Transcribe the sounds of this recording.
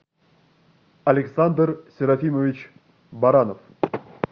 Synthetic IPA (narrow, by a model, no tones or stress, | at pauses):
ɐlʲɪksand̪rsʲɪɾafʲiməvʲɪt͡ɕ | baɾanəf